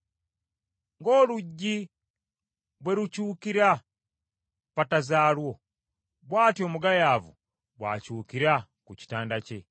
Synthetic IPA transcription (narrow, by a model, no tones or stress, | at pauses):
ŋɡo̞ːluɟːi | βwe̞ɾucuːkiɾa | patazaːlwo̞ | βwaːtjo̞muɡajaːvṵ | βwa̰ːcuːkiɾakuci̥taːndace